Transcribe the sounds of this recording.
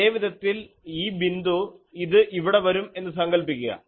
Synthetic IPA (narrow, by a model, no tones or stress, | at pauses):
eːʋiðɐt̪ːil | iːbind̪uiðɨʔiʋiɽe̞ʋɐɾume̞nːɨs̬ɐŋɡɐɭpikʲːuɣɐ̰